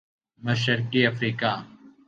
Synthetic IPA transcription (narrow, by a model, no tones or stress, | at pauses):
mɐʃɾkiɐfɾiːkaː